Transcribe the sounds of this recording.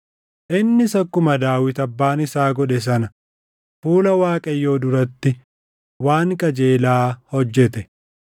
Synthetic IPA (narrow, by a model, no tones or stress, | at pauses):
ʔɪnːɪsɐkːʊmɐd̪aːwɪt̪ɐbːaːnɪsaːɡɔᶑɛs̬ɐnɐ | fuːlɐwaːkʼɐjːo̞ːd̪ʊɾɐt̪ːɪ | waːŋkʼɐd͡ʒe̞ːlaːhɔd͡ʒːɛt̪ɛ